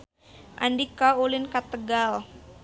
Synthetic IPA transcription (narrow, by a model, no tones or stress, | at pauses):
ʔa̰ndikaulɪnkat̪əɡal